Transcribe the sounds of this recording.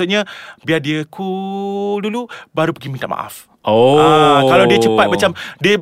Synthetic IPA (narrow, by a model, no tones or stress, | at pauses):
ut̪̚ɲabiadiəku | dulubaɾupəɡimint̪a̰ʔma̰ʔa̰f | ʔoakalawdiət͡ʃəpat̪̚mat͡ʃamdiə